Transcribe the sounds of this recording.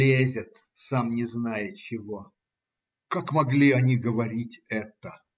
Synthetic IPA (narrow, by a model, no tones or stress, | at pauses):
lʲezʲɪt̪ | samnʲɪznajɪt̪t͡ɕɪvo | kakmɐɡlʲiɐnʲiɡəvɐɾʲitʲɛt̪ə